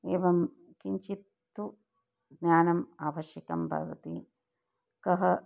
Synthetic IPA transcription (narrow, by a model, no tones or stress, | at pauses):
eːʋɐm | kiɲt͡ʃit̪ːu | ɡnaːnɐmaːʋɐʃjɐkɐmbʱɐ̰ʋɐ̰t̪i | kɐɦɐ